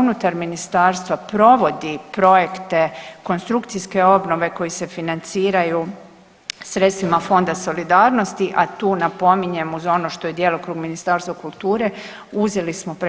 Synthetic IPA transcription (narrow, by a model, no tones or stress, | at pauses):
unut̪aɾminist̪aːɾst̪ʋapɾo̞ʋo̞d̪ipɾo̞jekt̪e̞ko̞nst̪ɾukt̪sijske̞o̞bno̞ʋe̞ko̞jise̞finant̪siːɾaju | sɾet̪st̪ʋimafo̞nd̪aso̞lid̪aːɾno̞st̪iʔat̪uːnapo̞miɲemuzo̞noʃt̪ojed̪jeːlˠo̞kɾuːɡminist̪aːɾst̪ʋakulˠt̪uːɾe̞ | uzelismo̞pɾe